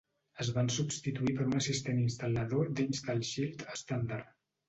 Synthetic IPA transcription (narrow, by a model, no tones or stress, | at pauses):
əzβansubst̪it̪uipəɾunəsist̪eninst̪əlˠəðod̪inzt̪əlˠʃilˠt̪əst̪and̪aɾ